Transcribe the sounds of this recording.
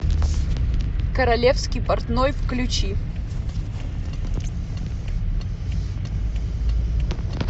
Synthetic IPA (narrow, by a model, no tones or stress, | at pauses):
kəɾɐlʲefskʲɪjpɐrt̪nojvklʲʊt͡ɕi